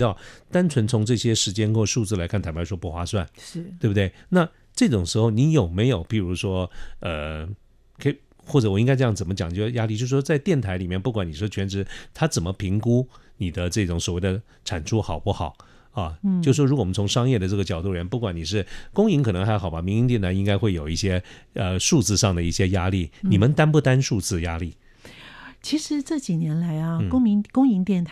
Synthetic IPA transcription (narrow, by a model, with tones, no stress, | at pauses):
ɑ˥˩ʊt̪a˥nt͡sʰwə˧˥nt͡sʰʊ˧˥ŋʈ͡ʂɤ˥˩ɕjɛ˥ʂɻ̩˧˥t͡ɕjɛ˥nkwɔ˥˧ʂu˥˧t͡sɹ̩˥˩la˧ɪkʰa˥˩nt̪ʰa˧˥˩pʰʂɔ˥pu˥˩xwa˥swa˥˩n˥t̪we˥˧˩bu˩t̪we˥˩ɪna˥˧ | ʈ͡ʂɤ˥˩ʈ͡ʂʊ˨˩ŋʂɻ̩˧˥xo˥˧ʊni˧˥jo˨˩ʊme˧˥ɪjo˨˩ʊpi˨˩ɻu˧˥ʂwɔ˥ə˧˩ | kʰə˥i˨˩ | xwɔ˥˩ʈ͡ʂɤ˧˩wɔ˨˩i˥ŋka˥ɪʈ͡ʂjɑ˥˩ŋt͡sə˨˩nmə˦t͡ɕjɑ˨˩ŋt͡ɕo˥˧˩ja˥li˥˧t͡ɕjo˥˧ʊʂ̬̩˥˩ʂwɔ˥t͡sa˥˧ɪt̪jɛ˥˩nt̪ʰa˧˥ɪli˨˩mjɛ˥˧npu˥˩kwa˨˥ni˨˩ʂɔ˥t͡ɕʰɥɛ˧˥nʈ͡ʂɻ̩˧˥t̪ʰa˥t͡sə˨˩nmə˦pʰi˧˥ŋku˥ni˨˩d̪ə˦ʈ͡ʂɤ˥˩ʈ͡ʂʊ˨˥ŋswɔ˨˩we˥˩ɪd̪ə˩ | ʈ͡ʂʰa˨˩nʈ͡ʂʰu˥xɑ˨˩ʊpu˥˩xɑ˨˩˦ʊ | ɐ˧t͡ɕo˥˧ʊʂ̩˥˩wɔ˥u˧˥kwnt͡sʰʊ˧˥ŋʂɑ˥ŋjɛ˥˩d̪ə˩ʈ͡ʂɤ˥˩ɡə˩t͡ɕjɑ˨˩ʊt̪u˥˩li˩˧˥npu˥˩kwa˨˩ni˨˩ʂ̬ɻ̩˥˩kʊ˥ŋi˧˥ŋkʰɤ˨˩nɤ˧˥ŋxa˧˥ɪxɑ˨˩ʊba˧˦mi˧˥ŋi˧˥ŋt̪jɛ˥˩nt̪ʰa˧˥i˥ŋka˥ɪxwe˥˩ɪjo˨˩ʊi˥˩ɕjɛ˥ə˧ʂu˥˧t͡sɹ̩˥˧ʂɑ˥˩ŋd̪ə˩i˥˩ɕjɛ˥ja˥li˥˩ni˨˩mə˦nt̪a˥np̬u˥˩t̪a˥nʂu˥˧t͡sɹ̩˥˩ja˥li˥˩ | t͡ɕʰi˧˥ʂɻ̩˧˥ʈ͡ʂɤ˥˩t͡ɕi˨˩njɛ˧˥nla˧˥ɪɐ˧˥˧kʊ˥ŋmi˧˥ŋkʊ˥ŋi˧˥ŋt̪jɛ˥˩nt̪ʰ